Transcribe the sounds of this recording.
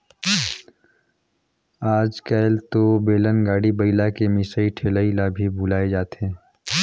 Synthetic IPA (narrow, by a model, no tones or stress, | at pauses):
aːd͡ʒkɛlt̪obeːlənɡaːɽibəɪlakemɪsəiʈʰeːləilabʱibʱʊlaːed͡ʒaːt̪ɦɛ̃ː